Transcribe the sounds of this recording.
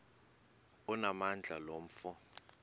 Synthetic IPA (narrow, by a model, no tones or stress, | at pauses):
ɔnamand͡ɮʱalom̩fɔ